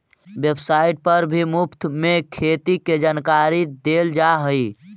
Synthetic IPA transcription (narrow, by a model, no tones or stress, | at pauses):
bebsaiʈ̚pəɾbʱimupt̪mekʰet̪iked͡ʒankaɾid̪eld͡ʒaɦəj